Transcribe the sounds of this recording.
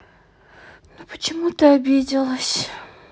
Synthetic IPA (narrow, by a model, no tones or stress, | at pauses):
nupə̥t͡ɕɪmut̪əɐbʲedʲɪlˠəsʲ